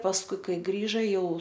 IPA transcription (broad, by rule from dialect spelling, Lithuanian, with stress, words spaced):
pɐsˈkʊɪ ˈkɐɪ ˈɡrʲiːʒɐ ˈjɛʊ